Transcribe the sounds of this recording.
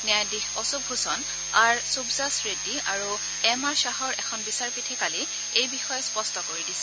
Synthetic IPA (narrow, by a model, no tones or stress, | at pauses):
nɛajdixɔsub̚ʱusɔn | aɹsubzasɹediaɹu | ɛmaɹsaɦɔɹɛkʰɔnbisaɹpitʰikali | ejbixɔjɛspɔstɔkoɹidisɛ̥